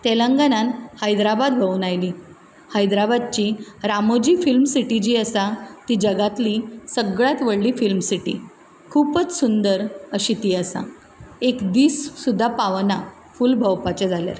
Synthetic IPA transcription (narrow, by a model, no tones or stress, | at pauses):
t̪elə̃ŋɡananhəjd̪ɾabad̪bʱəʋunajli | hajd̪ɾabad̪̚t͡ɕiɾamod͡ʑiːfilmsiʈid͡ʑiːəsat̪id͡ʑəɡat̪lisəɡɭjat̪ʋəɭliːfilmsiʈḭ | kʰuːpət͡ssund̪əɾəɕit̪iːəsa̰ | ekd̪iːssud̪ʱːapaʋna | fulbʱəwpat͡ɕed͡zʱalja̰ɾ